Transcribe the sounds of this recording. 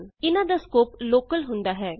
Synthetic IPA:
ɪnãːd̪aːskoːploːkəlɦʊ̃nd̪aːɦɛː

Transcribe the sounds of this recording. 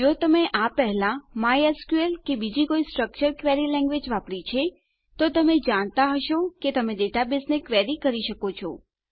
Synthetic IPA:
d͡ʒot̪əmeʔapɛɦɛlãmajeskuelkebid͡ʒikoisʈɾək̚t͡ʃəɾkʋeɾilɛ̃ŋɡʋed͡ʒʋapɽit͡ʃʰe | t̪ot̪əmed͡ʒaɽ̃t̪aɦəʃoket̪əmeɖeʈabɪsnekʋeɾikəɾiʃəkot͡ʃʰo̰

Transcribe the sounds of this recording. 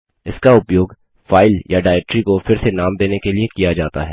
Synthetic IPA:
ɪskaʊpjoːɡ | faːɪljaɖaːɛk̚ʈɾikofɪɾsenaːmd̪eːnekeliekijad͡ʒaːt̪a̰ɦɛː

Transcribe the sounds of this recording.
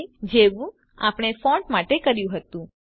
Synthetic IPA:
d͡ʒeʋũ | a̰pɽ̃efɔ̃ɳʈmaʈekəɾjũɦət̪ũ

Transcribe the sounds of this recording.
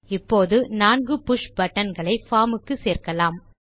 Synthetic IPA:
ɪpːoːðɯnaːnɡɯpʊʂbɐʈːɐnɡɐɭɐɪfaːmɯkːɯseːrkɐlaːm

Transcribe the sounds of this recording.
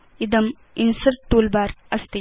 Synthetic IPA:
id̪əm | insəɾʈːuːlbaːɾɐst̪i

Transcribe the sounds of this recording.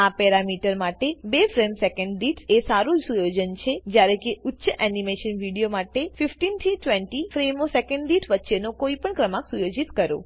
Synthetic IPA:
apɛɾamiʈəɾmaʈebefɾemsekəɳɖːiʈesaɾũd͡ʒsujod͡ʒənt͡ʃʰed͡ʒjaɾekeʊtːʃəʔɛnimeʃənʋiɽijomaʈefifʈint̪ʰiʈʋeɳʈifɾemosekəɳɖɖiʈʰʋətːʃenokoipəɳkɾəmaksujod͡ʒit̪kəɾo̰

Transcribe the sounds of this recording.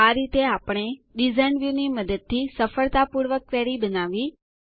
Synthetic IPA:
aɾit̪eapəɽ̃eɗizajnʋjuniməd̪əd̪̚t̪ʰːisəfəɭt̪apuɾʋəkʋeɾibənaʋi

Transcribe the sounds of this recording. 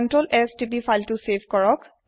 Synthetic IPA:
ɔntɹolɛstipifajltʊsebʱkɔɹɔk

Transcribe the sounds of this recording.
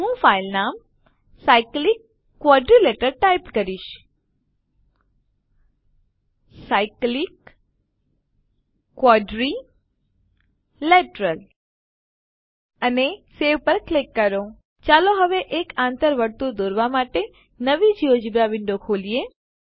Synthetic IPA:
ɦũfailnam | saiklikː | wɔɖɾileʈəɾʈajpkəɾiʃ | saiklik | wɔɖɾi | leʈɾəl | əneseʋpəɾklekːəɾo | t͡ʃaloɦəʋeʔekãnt̪əɾʋəɾt̪ud̪oɾʋamaʈe | nəʋid͡ʒiod͡ʒibaʋɪɳɖokʰolie

